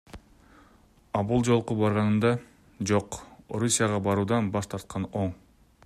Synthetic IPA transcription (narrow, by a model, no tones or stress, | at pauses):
ɑbulˠd͡ʒo̞lˠqubɑɾʁɑnɯnd̪ɑ | d͡ʒo̞qoɾusʲijɑʁɑbɑɾuːd̪ɑnbɑʃt̪ʰɑɾt̪̚qɑnoɴ